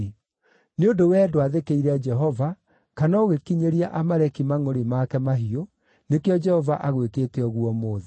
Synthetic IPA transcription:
neondowɛːdoaðekeiɾɛd͡ʒɛɦɔva | kanaoɣekiɲeɾiaʔamaɾɛkimaŋoɾemakɛmaɦio | nekeɔd͡ʒɛhɔvaʔaɣweteːtɛɔɣwɔmoːðɛ

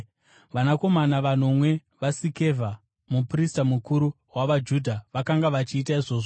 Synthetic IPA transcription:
ʋanako̞manaʋanomwe̞ | ʋasike̞vʱa | mupristamukuɾu | waʋad͡ʒudʱaʋakaŋɡaʋat͡ʃiːt̬aiʐo̞ːʐo

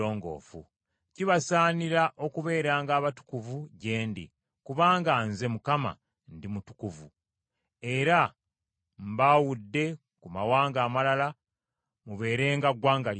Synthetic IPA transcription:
oːŋɡo̞̰ːfṵ | ciβasaːniɾaʔo̞kuβe̞ːɾaːŋɡaːβatu̥kuvuɟe̞ːndḭ | kuβaːŋɡanze̞mukama̰ | ndimutu̥kuvu | e̞ɾa | mbawudːe̞ | kumawaːŋɡaːmalala | muβe̞ːɾe̞ːŋɡaɡwaːŋɡal

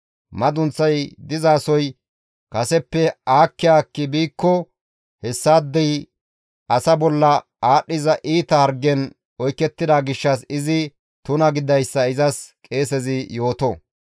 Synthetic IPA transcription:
mɐd̪ʊnt͡sːɐjd̪ɪzaːsɔj | kɐsɛpːɛaːkːɪjaːkːɪbiːkːɔ | hɛsːaːd̪ːɛj | ɐsɐbɔlːɐ | aːɗːɪzɐʔiːt̪ɐhɐɾɡɛn | ɔjkːɛt̪ːɪd̪aːɡɪʃːɐsɪzɪ | t̪ʊnɐɡɪd̪ɐjsːɐɪzɐskʼe̞ːsɛzɪjo̞ːt̪ɔ

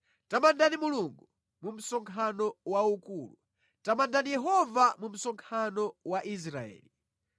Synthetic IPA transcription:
tamandanimuluŋɡu | mum̩sɔŋkʰanɔwaukuːlu | tamandanijɛɦɔvamum̩sɔŋkʰanɔwaʔis̬ɾaɛ̰ːli

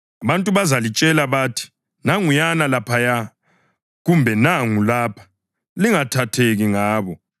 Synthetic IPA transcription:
aβantʼuβazalit͡ʃʼɛlaβaːtʰi̥ | naŋujanalapʰaja | ɣumbʱɛnaŋulaːpʰḁ | liŋatʰatʰeɣiŋaːβɔ

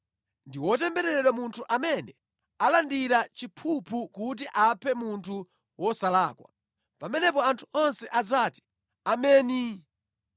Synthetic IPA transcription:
ndiwɔtɛmbɛɾɛɾɛɗwamuntʰuʔamɛnɛ | alandiɾat͡ʃipʰupʰukut̬iʔapʰɛmuntʰu | wɔsalaːkwa̰ | pamɛnɛpɔantʰuɔnsɛʔad͡zaːti̥ | amɛːni

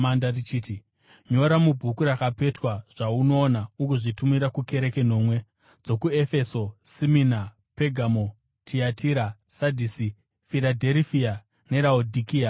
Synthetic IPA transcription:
andarit͡ʃiːti | ɲo̞ɾamubʱukuɾakape̞twaʐ̥auno̞ːnaukuʐitumiɾakuke̞ɾe̞ke̞no̞ːmwe̞ | d͡zo̞kue̞fe̞so̞simina | pe̞ɡʱamo | tʰiatiɾasadʱisi | fiɾadʱerfia | ne̞ɾaudʱikia

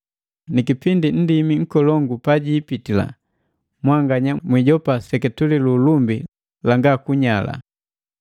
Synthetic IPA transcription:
nikipindin̩dimiŋ̩kɔlɔŋɡupaɟiːpitila̰ | mwaŋɡaɲamwiɟɔpasɛkɛtulilulumbi | laŋɡakuɲala̰

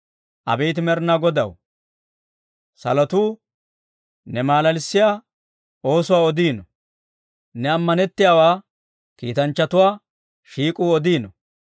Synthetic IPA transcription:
ʔɐ̰bɛjt̪̬ɪmɛɾnaɡɔd̪ɐ̰w | sɐ̰lɐt̪uː | nɛmaːlɐlɪsːɪjaː | o̞ːsʊwaːɔd̪iːnɔ | nɛɐmːɐnɛt̪ːɪjaːwaː | kiːt̪ɐnt͡ʃːɐt̪ʊwaː | ʃiːkʼuːɔd̪iːnɔ

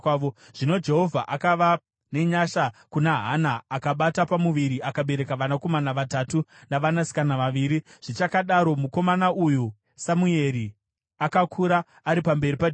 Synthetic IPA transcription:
o | ʐ̥ino̞d͡ʒe̞ɦo̞vʱaʔakaʋa | ne̞ɲaʃakunaɦanaːkaɓatapamuʋiɾiʔakaɓe̞ɾe̞kaʋanako̞manaʋatatunaʋanasi̥kanaʋaʋiːɾiʐ̥it͡ʃakaɗaɾo̞muko̞manaʔuju | samue̞ɾi | akakʰuɾaː | ɾipambe̞ɾipa

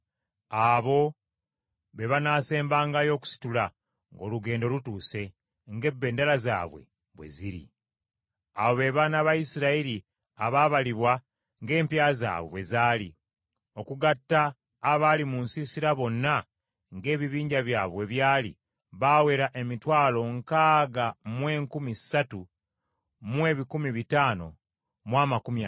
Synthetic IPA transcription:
aβo̞ | βe̞βanaːse̞ːmbaːŋɡajo̞ːku̥si̥tula | ŋɡo̞̰ːluɡe̞ːndo̞lutuːse̞ | ŋɡe̞bːe̞ːndalaza̰ːβwe̞̰ | βwe̞̰ziɾḭ | a̰βo̞βe̞βanaβajisiɾaiɾi | aβaːβaliβwa | ŋɡe̞ːmpjaːza̰ːβewe̞zaːli | o̞kuɡatːaː | βalimunsisiɾaβo̞nːa | ŋɡe̞ːβiβiːɲɟaβjaːβwe̞βjaːlḭ | βawe̞ɾaʔe̞mitwaːlo̞ŋkaːɡamwe̞ːŋkumisatu | mwe̞ːβikumiβitaːno̰ | mwaːmakumja

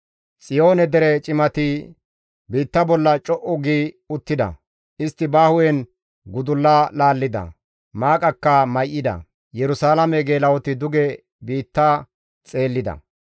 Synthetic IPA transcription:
sʼɪjo̞ːnɛd̪ɛɾɛt͡ʃʼɪmɐt̪ɪ | biːt̪ːɐbɔlːɐt͡ʃʼɔʔɔɡiː | ʊt̪ːɪd̪ɐ̰ | ʔɪst̪ːɪbaːhʊwɛn | ɡʊd̪ʊlːaːlaːlːɪd̪ɐ̰ | maːkʼɐkːɐmɐjʔːɪd̪ɐ̰ | jɛɾʊsaːlɐmɛɡeːlɐwɔt̪ɪd̪ʊɡɛ | biːt̪ːaː | t͡sʼe̞ːlːɪd̪ɐ̰

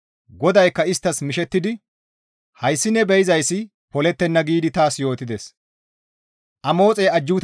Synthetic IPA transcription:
ɡɔd̪ɐjkːɐɪst̪ːɐsmɪʃɛt̪ːɪd̪ɪ | hɐjsːɪnːɛbɛjɪzɐjsːɪ | pɔlɛt̪ːɛnːɐɡiːd̪ɪt̪aːsjo̞ːt̪ɪd̪ɛs | ʔɐmo̞ːt͡sʼɛːɐd͡ʒːut̪

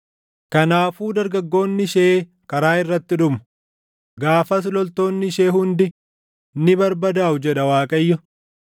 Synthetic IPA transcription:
kɐnaːfuːd̪ɐɾɡɐɡːo̞ːnːɪʃeː | kʼɐɾaːɪrːɐt̪ːɪᶑʊmʊ̥ | ɡaːfɐs̬lɔlt̪o̞ːnːɪʃe̞ːɦʊnd̪ɪ | nɪbɐɾbɐd̪aːʊd͡ʒɛᶑɐwaːkʼɐjːʊ

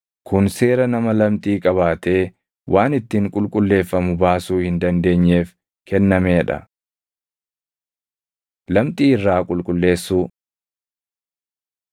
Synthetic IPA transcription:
kʰʊnse̞ːɾɐnɐmɐlɐmt̪ʼiːkʼɐβaːt̪e̞ː | wʔaːnɪt̪ːiŋkʼʊlkʼʊlːe̞ːfːɐmʊbaːsuːhɪnd̪ɐnd̪e̞ːɲːe̞ːf | kɛnːɐmeːᶑɐ̰ | lɐmt̪ʼiːɪrːaːkʼʊlkʼʊlːe̞ːsːuː

